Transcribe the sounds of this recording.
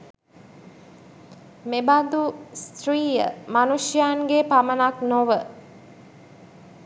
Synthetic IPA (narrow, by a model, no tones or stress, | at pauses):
mebad̪ust̪ɾiːjə̰manuʂjaːŋɡepamənaknoʋə